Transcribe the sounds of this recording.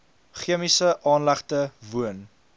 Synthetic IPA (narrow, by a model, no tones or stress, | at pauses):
χiəmisəʔɑːnlæχtəvuən